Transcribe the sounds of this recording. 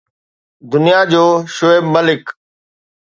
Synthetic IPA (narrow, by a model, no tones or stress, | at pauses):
d̪ʊnijad͡ʑoːʃoeːbməlɪk